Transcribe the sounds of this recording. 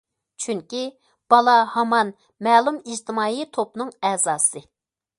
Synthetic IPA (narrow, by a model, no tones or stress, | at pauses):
t͡ʃʰyŋkʲi | b̥ɑlˠɑhɑmɑn | mɛːlˠumid͡ʒt̪ʰɪmɑːit̪ʰopnɨŋɛːzɑːsɨ